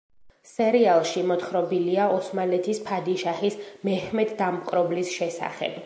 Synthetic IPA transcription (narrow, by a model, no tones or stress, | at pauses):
sɛɾialˠʃimɔt̪χɾɔbiliaʔɔsmalɛt̪ʰispʰad̪iʃahismɛhmɛd̪ːamkʼɾɔblisʃɛsa̰χɛ̰b̥